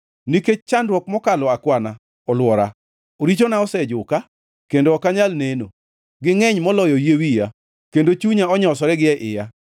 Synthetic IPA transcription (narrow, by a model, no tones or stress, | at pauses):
niket͡ʃandɾwɔk̚mɔkalɔakwana | ɔlwɔɾa | oɾit͡ʃonaɔsɛd͡ʒʊka | kendoɔkaɲalneno | ɡɪŋɛɲmɔlɔjɔjewija | kendot͡ʃuɲaɔɲɔsɔɾɛɡɪɛʔɪja